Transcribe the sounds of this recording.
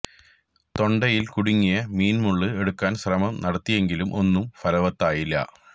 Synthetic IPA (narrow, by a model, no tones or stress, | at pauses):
t̪o̞ɳɖɐjilkuɽuŋːijɐmiːnmuɭːɨe̞ɽukːaːnɕrɐmɐmnɐɽɐt̪ːije̞ŋɡilumʔo̞nːumfɐlɐʋɐt̪ːaːjilːɐ̰